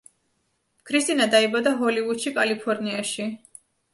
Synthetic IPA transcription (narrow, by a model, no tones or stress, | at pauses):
kʰɾist̪ʼinad̪aibad̪aɦɔlivud̪̥ʃikʼalipʰɔɾniaʃi